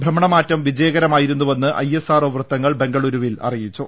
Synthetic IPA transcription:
bʱrɐmɐɳɐmaːtːɐmʋid͡ʑɐjɐɣɐɾɐmaːjiɾunːuʋɐnːɨʔɐ̰jesaːroːʋrɨt̪ːɐŋːɐɭbe̞ŋɡɐɭuɾuʋilɐ̰rijit͡ɕːu

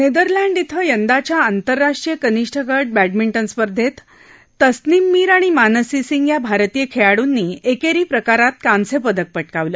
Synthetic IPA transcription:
ned̪əɾlæɳɖit̪ʰəjənd̪at͡ɕjaːnt̪əɾːaʂʈɾijəkəniʂʈʰəkəɾʈ̚bæɖ̚miɳʈənspəɾd̪ʱet̪ː | əsnimːiːɾaɽ̃imanəsisiŋɡjabʱaɾt̪ijekʰeɭaɽunːiːekeɾiːpɾəkaɾat̪kãnsepəd̪ək̚pəʈ̚kaʋlə

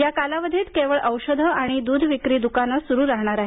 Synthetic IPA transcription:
jakalaʋəd̪ʱet̪keʋəɭʔəwɕəd̪ʱəaɽ̃id̪uːd̪ʱʋikɾiːd̪ukanasuɾuːɾaɦɳ̃aɾaɦe

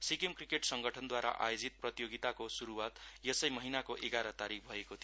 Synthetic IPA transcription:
sikemkrikeʈsʌŋɡʌʈʰʌnd̪waɾa̰ʔa̰jod͡zit̪̚prʌt̪joɡit̪akosuɾuwat̪jʌsʌjmʌɦinakoʔeɡaɾʌt̪aɾik̚ʰbʱʌekot̪ʰi

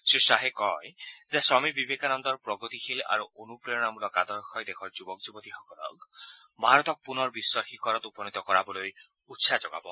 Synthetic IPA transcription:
sɾisaɦekɔjzesɔmibibʱekanɔnd̪ɔɾpɾɔɡɔt̪ixila̰ɾuonupɾeɔɽ̃amulɔkad̪ɔɾxɔjd̪ekʰɔɾd͡ʒubɔkd͡ʒubɔt̪iɦɔkɔɾɔ̰k | bʱaɾɔt̪ɔk̚punɔɾbiswɔɾhikɔɾɔt̪upɔnit̪ɔkɔɾabɔloj | ut̪ːsʰad͡ʒɔɡa̰bɔ̰

